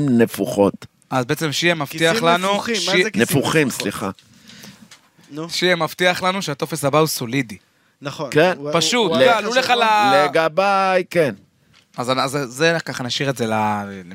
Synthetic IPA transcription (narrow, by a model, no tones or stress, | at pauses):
mnefuχot̪ | azbeet͡semʃiemafiaχlanuʃineffuχimsliχa̰ | ʃiemaft̪iaχlanuʃeat̪o̞feshabausolid̪i | nkenpaʃut̪lɡaluleχalaleɡabajken | azazzekaχanaʃiʁetzelale